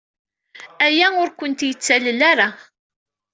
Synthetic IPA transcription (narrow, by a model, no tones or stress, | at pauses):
æjæʊɾkʷənt̪jət͡sːæləlaɾa